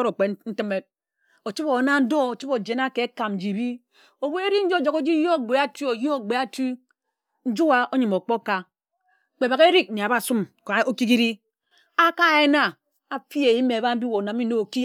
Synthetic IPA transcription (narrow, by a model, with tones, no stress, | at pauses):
ɾo˨k͡pe˨˦n̩˦tɨ˦me˦t̚ | o˨t͡ʃi˦po˨˦na˦n̩˦do˦o˨t͡ʃi˦po˨d͡ʒe˨na˦ke˨˦ka˨m̩˨d͡ʒi˨bi˦ | o˨bo˦e˦ɾi˦n̩˦d͡ʒd͡ʒo˨ko˦d͡ʒi˦jo˦˨ɡ͡be˨a˦tu˦o˨jo˦o˨ɡ͡be˨a˦tu˦ | n̩˦d͡ʒu˦wa˦o˦ɲi˨mo˨k͡po˦ka˦˨ | k͡pe˨ba˨ke˦ɾi˦k̚ne˨a˨ba˦˨su˦m˨ko˦ki˦ki˦ɾi˦ | a˦ka˦˨e˦na˦ | a˨fi˦e˨i˦me˨a˨ba˦m̩˦bi˦wo˨na˨mi˦no˦o˨ki˦